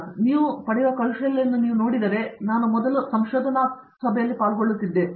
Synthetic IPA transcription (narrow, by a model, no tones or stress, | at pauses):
niːʋupɐɽɛjʋɐkɐlʂɐɐlːɐnd̪uniːʋunoːɽid̪ɐɾe̞naːnumɔd̪ɐlusɐmʃoːd̪ʱɐna | sɐbʱɛjɐlːipaːlɡoɭːut̪ːid̪ːe